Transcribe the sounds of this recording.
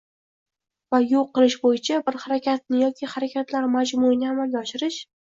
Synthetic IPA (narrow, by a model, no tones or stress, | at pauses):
vajʊlˠqɨlˠɪʃbojɪt͡ʃʰabɪɾhaɾakʲat̪̚nɪjɒkʲʰiχaɾakʲat̪laɾmad͡ʒmuɪnɪamalɡʲaɒʃɪɾɪʃ